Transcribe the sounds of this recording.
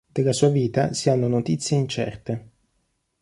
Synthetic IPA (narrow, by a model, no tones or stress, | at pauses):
d̪̥elːasuːaviːt̪asianːonot̪it̪sːjeint͡ʃɛ̰rt̪e